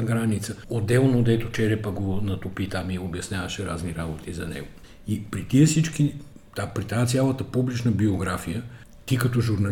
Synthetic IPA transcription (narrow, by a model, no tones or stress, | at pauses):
ɡɾanit̪səod̪ːɛlˠnod̪ɛt̪ot͡ʃɛɾɛpəɡonɐt̪opit̪amiobjɐsnʲjavɐʃɛɾa̰zniɾabot̪izɐnɛ̰ɡo | ipɾit̪iəsit͡ʃki | t̪apɾit̪ɛat̪sʲjalˠət̪əpublit͡ʃnəbioɡɾafijə | t̪ikɐt̪ɔʒuɾnɐ